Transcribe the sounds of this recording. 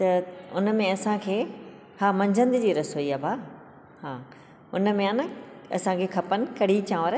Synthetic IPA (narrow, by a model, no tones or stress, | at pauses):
t̪ɐʊnə̆mẽɐsãkʰeː | hãːmɐ̃ɲd͡ʑʱə̃nd̪ɪd͡ʑiːɾɐsoiaːbaː | hãː | ʊnə̆mẽaːnãɐ̰sãkʰeːkʰɐpənɪ̆kɐɽ̤it͡ɕãːʋəɾ